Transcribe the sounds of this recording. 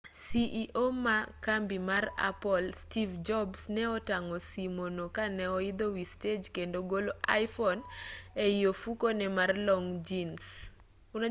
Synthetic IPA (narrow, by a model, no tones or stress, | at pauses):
siʔiʔomakambimara̰pɔlstivd͡ʒɔbsnɛɔtaŋɔsimonokanɛɔid̪owisted͡ʒkendoɡoloʔajfɔnɛijofukonɛmarlɔŋd͡ʒins | un